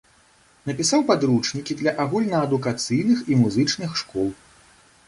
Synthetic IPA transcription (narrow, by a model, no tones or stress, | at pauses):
nɐpʲisawpad̪ɾut͡ʂnʲikʲid̪lʲɐʔaɣulʲnɐːd̪ukat̪sɨjnɨximuzɨt͡ʂnɨxʂkɔlˠ